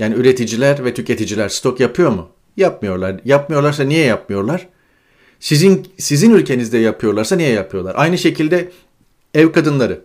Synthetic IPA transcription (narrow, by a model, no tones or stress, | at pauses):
jaːniyɾe̞t̪ʰid͡ʒilʲæɾvɛt̪ʰycʰe̞t̪ʰid͡ʒilʲæɾ̥st̪ʰo̞kjapʰɯjo̞ɾmʊ | jap̚mɯjo̞ɾlˠaɾjap̚mɯjo̞ɾlˠaɾs̬anijɛjapmɯjo̞ɾlˠaɾ̥ | sizinsizinylʲcʰe̞nizd̪ɛjapʰɯjo̞ɾlˠaɾsanijɛjapʰɯjolˠa̰ɾʔajnɯʃe̞cʰilʲd̪ɛ | ɛvkad̪ɯnlˠaɾɯ